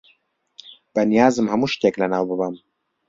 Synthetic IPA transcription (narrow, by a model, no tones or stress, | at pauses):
b̥ɐnijaːzɨmhɐmuːʃt̪eːklɐnaːwbɨbɐm